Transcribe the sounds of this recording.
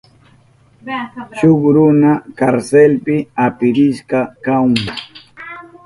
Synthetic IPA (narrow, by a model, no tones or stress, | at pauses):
ʃʊkɾʊnakaɾselpɪapɪɾɪʃkɑkawm